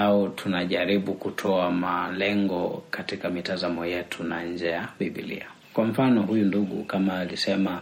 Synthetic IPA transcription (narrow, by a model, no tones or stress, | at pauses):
aɔtʰunaʄaɾiɓukutʰɔamalɛŋɡɔkatikamitazamɔjɛtʰunaɲ̩d͡ʒɛjaɓiɓḭlḭa | kwam̩fanɔhujunduɠṵkamaːlisɛma